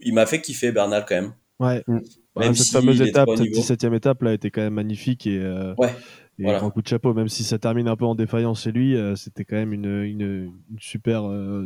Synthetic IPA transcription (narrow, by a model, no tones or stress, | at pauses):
ilmafɛkʲifɛbɛʁnalkɑ̃mɛm | wɛ | ɛsɛt̪famøzet̪apsɛd̪isɛt̪jɛmet̪aplaet̪ɛkɑ̃mɛmːaɲifikʲeøwɛ | eaaʁɛ̃kud̪əʃapomɛmsisat̪ɛʁminɛ̃pøɑ̃d̪efajɑ̃sʃelɥiøset̪ɛkɑ̃mɛmynøynøːnsypɛʁø